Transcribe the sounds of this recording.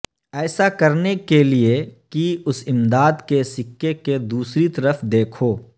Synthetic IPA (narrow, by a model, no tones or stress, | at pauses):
ɛːsakɐɾnekeliekiʊsɪmd̪aːd̪kesɪkːeked̪uːsɾit̪ɐɾəfʰd̪eːkʰoː